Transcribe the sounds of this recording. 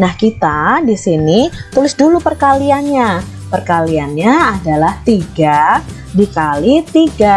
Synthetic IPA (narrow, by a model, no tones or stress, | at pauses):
nahkit̪adisinit̪ulɪsdulupərkalianɲa | pərkalianɲaːdalaht̪iɡa | dikalit̪iɡa